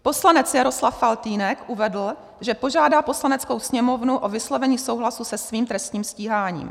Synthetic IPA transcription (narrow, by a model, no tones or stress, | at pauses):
po̞slanɛt͡sjaɾo̞slafːalt̪iːnɛkʔuvɛdl̩ | ʒɛpo̞ʒaːdaːpo̞slanɛt͡sko̞wsɲɛmo̞vnuʔovɪslovɛɲiːsowɦlasusɛsviːmt̪ɾɛst̪ɲiːmsciːɦaːɲḭːm